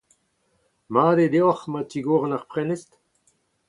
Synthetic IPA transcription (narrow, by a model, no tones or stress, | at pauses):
maːded̪eɔχmatiɡoːʁənaʁpʁɛnest